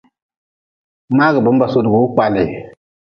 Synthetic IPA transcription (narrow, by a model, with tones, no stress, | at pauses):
ma˦ɡə˨bə˦mba˨so˨dɡu˨˦u˦k͡pa˨li˨